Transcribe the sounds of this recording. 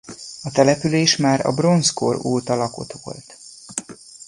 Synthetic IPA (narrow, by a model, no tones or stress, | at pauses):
ɒt̪ɛlɛpyleːʃmaːɾɒ̰bro̞nsko̰roːt̪ɒlɒko̞̰t̪ʋo̞̰lt̪